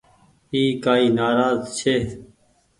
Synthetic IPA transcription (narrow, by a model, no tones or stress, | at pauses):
iːkaːiːnaːɾaːzt͡ʃʰeː